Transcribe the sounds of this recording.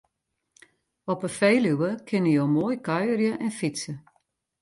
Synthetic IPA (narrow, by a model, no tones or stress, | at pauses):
ɔpəfeːlywəkʰɪnəjowmoːjkʰœjərjəʔɛnfisə